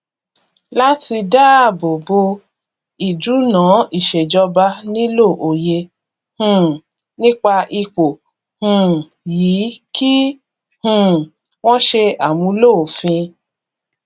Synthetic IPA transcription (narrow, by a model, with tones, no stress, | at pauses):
la˦ti˧da˦a˦˨bo˨bo˧ | i˨du˨˦nãː˨˦i˦˨ʃe˨d͡ʒɔ˧ba˧nĩ˦lo˦˨ʔo˨je˧ | hũ˨ | nĩ˦k͡pa˧ʔi˧k͡po˨ | hũ˨ | jiː˨˦ki˦ | hũ˨ | w̃ɔ̃˦ʃe˧a˨mũ˧˦lo˦˨fĩ˧